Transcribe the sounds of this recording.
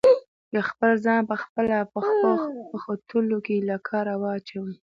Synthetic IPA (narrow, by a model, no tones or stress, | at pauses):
jaxpəlzɑnpəxpəlapəxəxpəxot̪ʰulokelakʰɑɾawɑt͡ʃawə